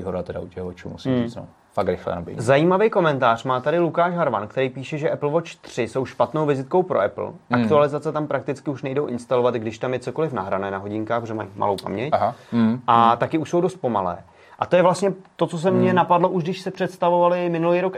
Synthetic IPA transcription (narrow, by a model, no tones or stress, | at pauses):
iɦoɾat̪ɛda̰ucɛɣvot͡ʃṵːmusimit͡sno̰ | fakɾɪxlɛ̰nabɪ̰zajiːmavɛjko̞mɛnt̪aːr̝̥maːt̪adɪlukaːʃɦaɾva̰nkt̪ɛɾiːpiːʃɛʒɛʔɛpl̩vo̞t͡ʃt̪r̝̥ɪso̞wʃpat̪nowvɪzɪt̪̚kowpɾo̰ɛ̰pl̩ʔakt̪ualɪzat͡sɛt̪ampɾak̚t̪ɪt͡skɪuʃnɛjdowʔɪnst̪alovat̪ɡdɪʃt̪amjɛt͡so̞ko̞lɪfnaɦɾanɛːnaɦo̞ɟɪŋkaːxpoʒɛmajma̰lowpa̰mɲɛcɦaʔat̪akɪuʃso̞wdo̞st̪̚po̞malɛ̰ː | ʔat̪ojɛvlast̪ɲɛt̪o̞t͡sos̬ɛmɲɛnapadlo̞ʔuʒɡdɪʃsɪpr̥ɛt̪st̪avovalɪmɪnulijɾok